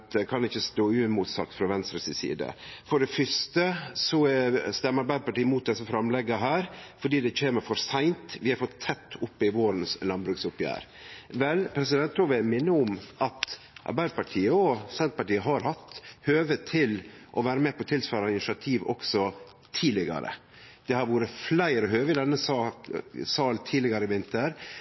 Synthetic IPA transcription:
t̪kʰɑnɪçːəst̪oːʉmuːt̪sɑ̰ːkt̪fɾɑʋɛnst̪ɾəsɪsḭːd̪ə̰fɔɖɛfʏst̪əsɔɛst̪ɛmːəɑɾbæɪd̪əpɑʈiːəmuːt̪̚d̪ɛsːəfɾɑmlɛɡəɦæːɾfɔɖiːd̪ɛc͡çʰeːməɾfɔɾsæɪnt̪ʋɪhɑɾfɔt̪ʰːɛt̪ʰːʊpːɪʋoːɾnslɑnbɾʉksʊpjæ̰ːɾ | ʋɛlpʰɾɛsɪd̪ɛnt̪ɔːʋɛmɪnːəʊmʔɑt̪ | ʔɑ̰ɾbæɪd̪əpɑʈʰiːəɔsɛnt̪̚pɑʈiːəɦɑɾɦɑt̪høːʋət̪ʰɪlʔɔʋæːɾəmɛpɔt̪ʰɪlsføːɾɑɪnɪʂɪɑt̪ʰiːʋɔ̰ksɔ | t̪ʰiːlɪɡɑ̰ɾə̰ | d̪̥ɛhɑɾʋuːɾəflæɪɾəɦøːʋəɪd̪ɛnːəsɑ | sɑːlt̪ʰiːlɪɡɑɾəɪʋɪnt̪əɾ

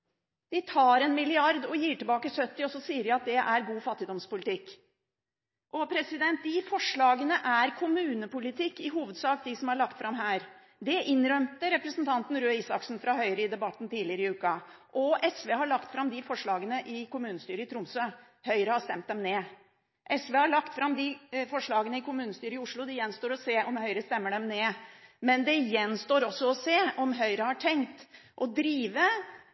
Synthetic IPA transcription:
d̪̥ɪt̪ʰɑːɾɛnmɪlɪɑɾd̪ɔjiːʈɪlbɑːkəsœt̪ːɪɔsɔsiːəɾjæɑt̪̚d̪ɛʔæɾɡuːfɑt̪ːɪd̪ɔmspʊlɪt̪ʰɪkː | ʔɔpʰɾɛsɪd̪ɛnt̪̚d̪ɪfɔʂɭɑːɡənəʔæɾkʰʊmʉːnəpʊlɪt̪ʰɪkːɪɦuːʋəd̪sɑːk̚d̪ɪsɔmhɑɭɑkt̪fɾɑmɦæːɾ | d̪ɛʔɪnɾœmt̪əɾɛpɾəsnt̪ʰɑnt̪n̩ɾøːiːsɑksnfɾɑɦœʏɾəɪd̪ɛbɑt̪ːn̩t̪iːlɪəɾəɪʉːkɑʔɔʔɛsʋeːhɑɭɑkt̪fɾɑmd̪ɪfɔʂɭɑːɡənəʔɪkʊmʉːnəst̪yːɾəɪt̪ɾʊmsø | hœʏɾəhɑʂt̪ɛmt̪̚d̪ɛmneː | ʔɛsʋeːhɑɭɑkt̪fɾɑmd̪ɪfɔʂɭɑːɡənəɪkʊmʉːnəst̪yːɾəɪʊʂɭʊd̪ɪjɛnst̪oːɾɔseːʔɔmhœʏɾəst̪ɛmːəɖɛmneːmɛnd̪ɛjɛnst̪oːɾɔsːɔɔseːʔɔmɦœʏɾəhɑʈʰɛŋkt̪ʔɔd̪ɾiːʋə

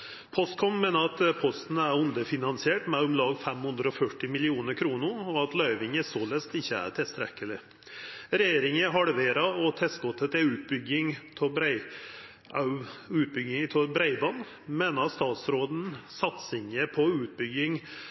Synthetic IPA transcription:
pʰɔst̪kʰɔnmeːnəɾɑt̪pʰɔst̪n̩æɾʉnd̪əfɪnɑnsɪeːʈmɛʊmlɑːɡfɛmhʉnd̪ɾəɔfœʈːɪmɪlɪuːnəɾkʰɾuːnʊɔɑt̪lœʏʋɪŋəsoːlɛst̪ɪçːəæ̰ɾʈʰɪlst̪ɾɛkːəlɪ | ɾɛjeːɾɪŋəɦɑɽʋeːɾɑɔt̪ʰɛst̪kɔt̪ːət̪ɛʉːt̪̚bʏɡɪŋt̪ʰɔbɾɪ | ʉːt̪̚bʏɡɪŋt̪ʰɔbɾæɪbɑn | meːnəɾɑst̪ɑːt̪sɾoːd̪n̩sɑt̪sɪŋəpʰɔʉːt̪̚bʏɡɪŋ

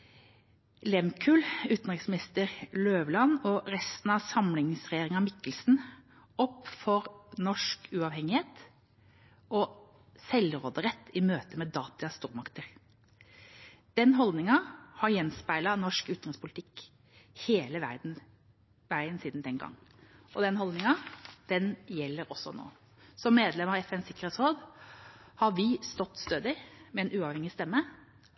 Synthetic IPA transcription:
lɛmkʰʉlʉːt̪n̩ʁɪŋsmɪnɪst̪əɾløːʋlɑnɔɾɛst̪n̩ɑʋsɑmlɪŋsʁɛjeːɾɪŋɑmɪkːəlsn | ɔpːfɔɾnɔʂkʉɑʋhɛŋɪheːt̪ | ɔ | sɛlʁoːd̪əɾɛt̪ʰːɪmøːt̪əmeːd̪ɑːt̪əɑst̪uːɾmɑkt̪əɾ | d̪̥ɛnɦɔld̪nɪŋɑhɑɾjɛnspæɪlɑnɔʂkʉːt̪ɾɪŋspʰʊlɪt̪ʰɪk | heːləʋæ̰d̪̩ | ʋæɪənsiːd̪n̩d̪ɛnɡɑ̰ŋːɔd̪ɛnhɔld̪nɪŋɑd̪̥ɛnjɛlːəɾɔsːɔno̰ː | sɔmːeːd̪lɛməɑʋɛfɛnsɪkːəɾeːt̪sɾoːd̪ | hɑɾʋɪst̪ɔt̪ːst̪øːd̪ɪmɛɛnʔʉːɑʋhɛŋɪst̪ɛmːə

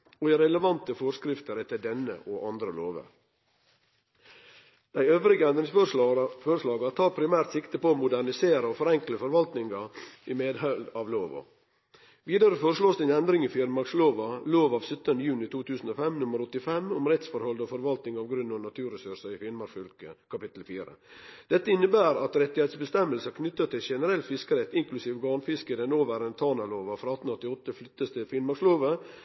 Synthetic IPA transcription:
ɔiɾɛləʋɑnt̪əfɔɾʂkɾɪft̪əɾɛt̪ːəd̪ɛnə̰ʔɔʔɑnd̪ɾəlo̰ːʋə̰ɾ | d̪̥æɪøːʋɾɪɡəɛnd̪ɾɪŋsfoːɾəʂlɑːɡɑt̪ʰɑːɾpʰɾɪmæːɾt̪sɪkt̪əpɔoːmʊd̪æɾɳɪseːɾəɔfɔɾɛŋkləfɔɾʋɑlt̪nɪŋɑimeːd̪hœld̪ɑʋloːʋɑ̰ | ʋiːd̪ɑɾəfoːɾəʂloːsd̪ɛɪnɛnd̪ɾɪŋɪfɪɾmɑɾksloːʋɑloːʋɑːʋsœt̪ːənd̪əjʉːnɪt̪ʰuːt̪ʰʉːsn̩oːfɛmnʊməɾɔt̪ːɪfɛmʊmɾɛt̪sfɔɾhɔld̪oːfɔɾʋɑlt̪nɪŋɑʋɡɾʉnːoːnɑt̪ʰʉːɾəsʉɾʂɑɪfɪlmɑɾfʏlkəkʰɑpɪt̪l̩fiːɾə̰d̪̥ɛt̪ːəɪnːəbæːɾɑt̪ɾɛt̪ːɪhɛɪt̪sbəst̪ɛmːəlsəkʰnʏt̪ːət̪ːɪlʃɛnəɾɛlt̪fɪskəɾɛt̪ːɪŋklʉsiːʋɡɑːɳfɪskəd̪ɛnoːʋəɾɛnt̪ʰɑːnɑloːʋɑfɾɑːɑt̪ːn̩ɔt̪ːɪɔt̪ːəflʏt̪ːəst̪ʰɪlfɪnmɑksloːʋə

